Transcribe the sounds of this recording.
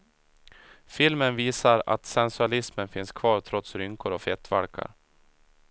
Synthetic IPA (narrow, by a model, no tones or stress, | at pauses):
fɪlmənviːsaɾa̰t̪sɛnsɵalɪsmənfɪnskʰvɑːɾt̪ʰɾɔt̪sɾʏŋkʊɾɔfɛt̪ːvalkʰa̰ɾ